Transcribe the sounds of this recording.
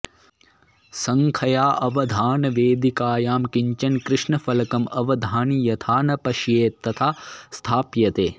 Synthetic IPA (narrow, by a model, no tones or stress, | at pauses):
sɐŋkʰɐjaːʔɐʋɐd̪ʱaːnɐʋeːd̪ikaːjaːmkiɲt͡ʃɐnkɾɪʂɳɐfɐlɐkɐmɐʋɐd̪ʱaːnijɐt̪ʰaːnɐpɐʃjeːt̪ːɐt̪ʰaːst̪ʰaːpjɐt̪eː